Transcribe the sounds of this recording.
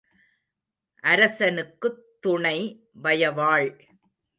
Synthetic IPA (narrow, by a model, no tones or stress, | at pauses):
ʔɐɾɐsɐnɯkːɯt̪ːʊɳɐɪ | ʋɐjɐʋaːɭ